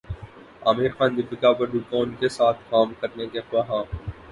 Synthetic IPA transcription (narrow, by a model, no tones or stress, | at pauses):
aːmɪɾxãːnd̪ɪbɪkabɐɾɖukaːnkesaːt̪ʰkaːmkɐɾnekexʋaɦãː